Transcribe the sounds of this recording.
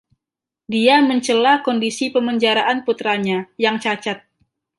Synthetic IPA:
diaməɲt͡ʃəlahkɔndisipəməɲd͡ʒaɾaʔanput̪ɾaɲajaŋt͡ʃat͡ʃat̪̚

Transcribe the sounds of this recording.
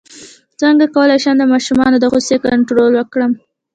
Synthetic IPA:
t͡səŋɡakawəlajʃəmd̪əmɑʃumɑnod̪əɣosekaɳʈɾolwəkɽəm

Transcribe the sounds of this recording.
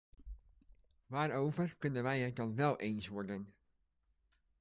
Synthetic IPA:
ʋaːɾowvəɹkɵnənʋɛjədɑnʋɛlˠʔeːnsʋɔɹdən

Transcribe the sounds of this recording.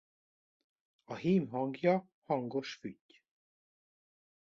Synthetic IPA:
ɒɦiːmɦɒŋɡjɒ | hɒŋɡo̞ʃfycː

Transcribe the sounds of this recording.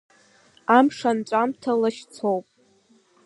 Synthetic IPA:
amʂanʈ͡ʂʷʼamtʰalaʃt͡sʰowpʼ

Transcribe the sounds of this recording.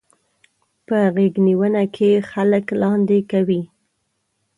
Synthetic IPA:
pəɣeɡniwənakʰexaləklɑnd̪ekawi

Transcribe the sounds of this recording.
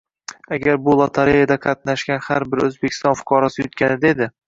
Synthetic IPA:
aɡʲaɾbʊlˠɒt̪ʰaɾejad̪aqʰɑt̪̚naʃkʲanhaɾbɪɾɵzbekʰʲɪ̥st̪ɒnfʊ̥qʰɒɾɒsɪjʊt̪kʲanɪd̪ed̪ɪ

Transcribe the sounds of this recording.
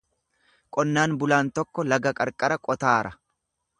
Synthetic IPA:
kʼɔnːaːnbʊlaːnt̪ɔkːɔlɐɡɐkʼɐɾkʼɐɾɐkʼɔt̪aːɾɐ

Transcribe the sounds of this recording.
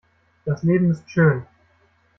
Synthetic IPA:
d̥asleːbm̩ɪstʃøːn

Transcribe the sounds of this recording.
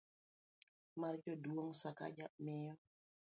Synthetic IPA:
mart͡ʃɔduoŋsaka̰d͡ʒamɛjɔ

